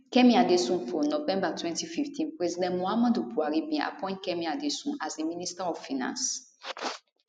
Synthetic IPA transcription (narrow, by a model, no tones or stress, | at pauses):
kɛ̃mĩadesũnfɔnɔvɛ̃mbatʰwɛ̃ntififtʰĩnpɹɛzidɛ̃nmuamãdupuaɾibĩa̰pɔ̃j̃nt̚kɛ̃mĩadesũnazemĩnistɛɔvfinã̰ns